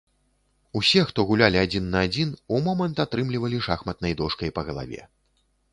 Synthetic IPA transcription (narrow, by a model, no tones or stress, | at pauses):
usʲɛxt̪ɔɣulʲalʲiad͡zʲinːɐːd͡zʲinumɔmɐnt̪at̪ɾɨmlʲivɐlʲiʂaxmɐt̪̚nɐjd̪ɔʂkɐjpɐɣɐlˠa̰vʲɛ̰